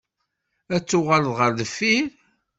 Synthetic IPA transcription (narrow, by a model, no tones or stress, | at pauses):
æt͡sːʊʁaləðʁəɾðəfːiɾ